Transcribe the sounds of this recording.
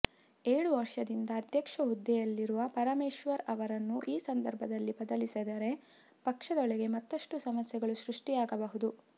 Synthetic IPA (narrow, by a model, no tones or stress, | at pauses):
eːɭuʋɐɾʂɐd̪ind̪ɐːd̪ʱjɐkʂɐɦud̪ːɛjɐlːiɾuʋɐpɐɾɐmeːʃʋɐɾɐʋɐɾɐnːuʔiːsɐnd̪ɐɾbʱɐd̪ɐlːibɐd̪ɐlisɛd̪ɐɾe̞ | pɐkʂɐd̪ɔɭɛɡe̞mɐt̪ːɐʂʈusɐmɐsjɛɡɐɭuʃɾuʂʈijaːɡɐbɐɦud̪u